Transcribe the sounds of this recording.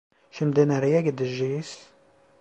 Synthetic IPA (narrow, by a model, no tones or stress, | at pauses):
ʃəmd̪inæɾjæɡd̪əʒːis